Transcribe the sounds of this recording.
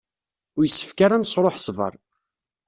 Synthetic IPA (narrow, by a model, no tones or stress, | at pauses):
ʊɾjəsːə̥fkaɾansɾˤoħsˤvə̰ɾˤ